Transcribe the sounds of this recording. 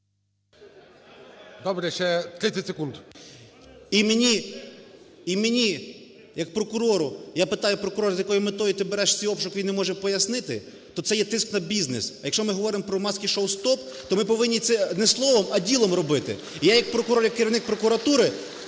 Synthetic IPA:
d̪ɔbɾʲɛʃt͡ʃɛt̪ɾɪt͡sʲɛtʲsekund̪ | imenʲi | imenʲi | jɐk̚pɾɔkʊɾɔɾʊjapɪt̪ɑjʊpɾɔkʊɾɔɾzjɐkɔjimɪt̪ɔjit̪ɪbeɾɛʃsʲiɔpʃʊkʲɪinɛmɔʒɛpɔjɐsnɪt̪ɪ | t̪ɔt̪sɛjɛt̪ɪsknɐbʲiznɪsjɐkʃt͡ʃɔmɪɦɔʋɔɾɪmɔpɾɔmɑsʲkʲiʃowst̪ɔp | t̪ɔmɪpɔʋɪnʲːit̪sɛnɛslˠɔʋɔmɐdʲilˠɔmrɔbɪt̪ɪ̰ | jajɐk̚pɾɔkʊɾɔrjɐkːɪɾʲiʋnɪk̚pɾɔkʊɾɐt̪uɾɪ

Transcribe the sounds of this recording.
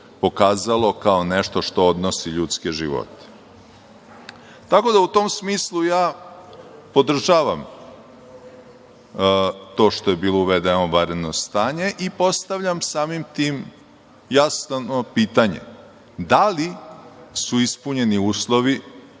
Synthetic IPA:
po̞kaːzalˠo̞kaone̞ʃt̪o̞ʃt̪o̞od̪no̞siʎuːt̪skeʒḭʋo̰t̪e̥ | t̪ako̞d̪aut̪oːmsmiːslˠujaː | po̞d̪r̩ʒaːʋam | t̪o̞ːʃt̪o̞je̞biːlˠo̞uʋed̪enoʋaɾed̪nost̪aːɲe̞ʔipo̞st̪aʋʎamsaːmimt̪iːm | jasnopiːt̪aɲḛ | d̪ali | suispuɲe̞niuːslˠo̞ʋi

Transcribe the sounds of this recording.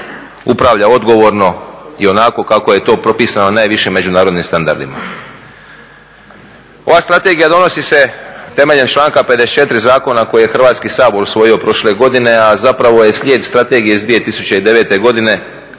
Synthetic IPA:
upɾaʋʎao̞d̪ɡo̞ʋo̞ɾno̞io̞nako̞kako̞je̞t̪o̞ːpɾo̞piːsanonaːjʋiʃimːe̞d͡ʑunaːɾo̞d̪nimst̪and̪a̰ɾd̪ḭma̰ | o̞̰ʋaːst̪ɾat̪e̞ɡijad̪o̞no̞sise̞t̪e̞me̞ʎe̞nt͡ʃlˠaːŋkape̞d̪ese̥t͡ʃe̞t̪ɾizaːko̞nako̞jije̞xr̩ʋaːt̪skisaːbo̞ɾusʋo̞jio̞pɾo̞ʃle̞ɡo̞d̪ine̞azapɾaʋo̞je̞slʎʲe̞ːd̪st̪ɾat̪e̞ɡijeizd̪ʋije̞t̪isut͡ɕe̞id̪e̞ʋe̞ːt̪e̞ɡo̞d̪ine̞

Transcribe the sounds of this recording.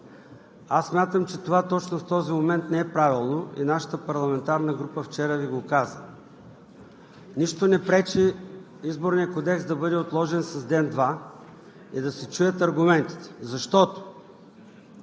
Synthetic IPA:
asːmʲjat̪əmt͡ʃɛt̪ovat̪ɔt͡ʃnoft̪ɔzimomɛnt̪nɛɛpɾavilˠnoḭnaʃə̥t̪əpɐɾlˠɐmɛnt̪aɾnəɡɾupəft͡ʃɛɾəviɡokazə | niʃt̪onɛpɾɛt͡ʃɛ | izboɾnijəkod̪ɛksd̪ɐbɤd̪ɛot̪lˠɔʒɛnsɐzd̪ɛnd̪va | id̪ɐsɛt͡ʃujət̪ɐɾɡʊmɛnt̪i̥t̪ɛ̥zɐʃt̪ɔt̪o̥

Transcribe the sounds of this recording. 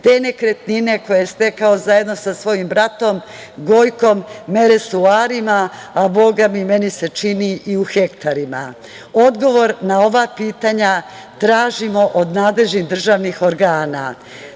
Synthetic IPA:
t̪e̞ːne̞kɾet̪nine̞ko̞jeest̪e̞kao̞zaje̞d̪no̞sasʋo̞jimbɾat̪o̞m | ɡo̞jko̞mːe̞ɾesuaːɾimaabo̞ɡamime̞nise̞t͡ʃiniʔiuxe̞kt̪aɾima̰ | od̪ɡo̞ʋo̞ɾnao̞ʋapiːt̪aɲa | t̪ɾaːʒimo̞ʔod̪naːd̪le̞ʒniɣd̪r̩ʒaːʋnixo̞ɾɡaːna̰

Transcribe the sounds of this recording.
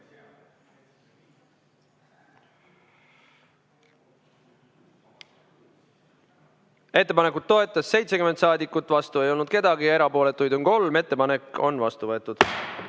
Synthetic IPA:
e̞t̪ːepɑne̞kːˑud̪̥̚t̪ːo̞e̞t̪ːˑɑsːe̞jt̪se̞kymet̪sɑːd̪ikːˑut̪ːˑvɑst̪ue̞jo̞lnud̪̥ke̞d̪ɑɡijɑeɾɑpo̞ːle̞t̪ːˑujd̪oŋko̞lme̞t̪ːe̞pɑne̞ko̞̰nvɑst̪uvɤet̪ːˑud̪̥

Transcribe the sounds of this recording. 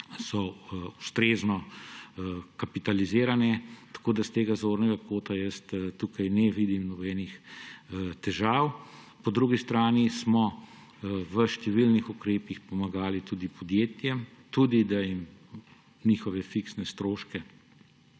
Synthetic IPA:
sɔust̪ɾeːznɔ | kapit̪alizeːɾanɛt̪ḁkoːd̪ast̪eːɡazoːɾnɛɡakoːt̪ajəst̪t̪ukajnɛʋiːd̪imnɔbɛnix | t̪ɛʒaːw | pɔd̪ɾuɡist̪ɾaːnismɔ | ʋəʃt̪ɛʋilnixukɾeːpixpɔmaɡaːlit̪ud̪ipʰɔd̪jeːt̪jɛmt̪ud̪id̪ajim | niːxɔʋɛfiksnɛst̪ɾoːʃkɛ

